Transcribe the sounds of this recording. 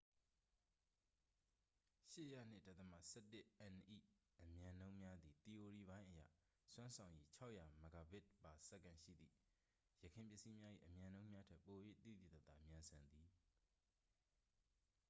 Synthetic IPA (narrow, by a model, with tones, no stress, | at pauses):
ʃɪ˦ʔja̰˦˨n̥ɪ˦˨ta˦t̪t̪ːə˨ma̰˦˨sɛ˦tːɪ˦ʔɛ̃˨nʔḭ˦˨ʔəmjã˨nõ˦ʊ̃mja˦d̪i˨t̪i˨ʔo˨ɹi˨bã˦ɪ̃ʔəjä̰˦˨ | swã˦nsʰã˨ʊ̃ʔḭ˦t͡ɕʰa˦ʊʔja˨ma˨ɡa˨bɪ˦ʔpa˨sɛ˦˨kːã˨ʃḭ˦˨d̪ðḭ˦˨ | jəkʰɪ̃˨mpjɪ˦˨si˦mja˦ʔḭ˦˨ʔəmjã˨nõ˦ʊ̃mja˦tʰɛ˦˨pːo˨jwḛ˦˨t̪ḭ˦˨d̪ḭ˦˨t̪ə˦˨t̪ða˨mjã˨nsʰã˨nd̪i˨